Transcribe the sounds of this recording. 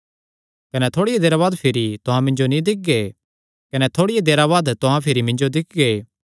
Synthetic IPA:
kɐnɛt̪ʰoːɽɪjed̪eːɾabaːd̪pʰɪɾit̪ʊɦãmɪ̃ɲd͡ʒonĩd̪ɪk̚ɡe | kɐnɛt̪ʰoːɽɪjed̪eːɾaβaːd̪t̪ʊɦãpʰɪɾimɪ̃ɲd͡ʒod̪ɪk̚ʰɡeː

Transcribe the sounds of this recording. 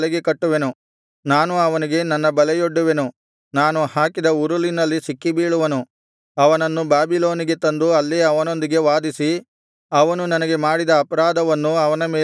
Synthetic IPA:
lɛɡekɐʈːuʋe̞nu | naːnuɐʋɐniɡe̞nɐnːɐbɐlɛjoɖːuʋe̞nu | naːnuhaːkid̪ɐuɾulinɐlːisikːibiːɭuʋɐnu | ɐʋɐnɐnːubaːbilo̞ːniɡet̪ɐnd̪uɐlːiɐʋɐno̞nd̪iɡe̞ʋaːd̪isi | ɐʋɐnunɐnɐɡe̞maːɽid̪ɐːpɐɾaːd̪ɐʋɐnːuɐʋɐnɐmeː

